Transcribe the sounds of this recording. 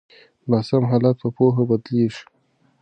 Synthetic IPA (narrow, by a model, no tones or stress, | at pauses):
nasamɦalat̪̚pəpoɦabad̪leʂ